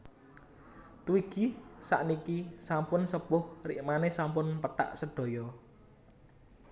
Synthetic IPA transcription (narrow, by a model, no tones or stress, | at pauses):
t̪uiɡ̥isa̰ʔnikisampʊnsəpʊhriʔmanesampʊnpət̪a̰ʔsəɖ̥o̤jɔ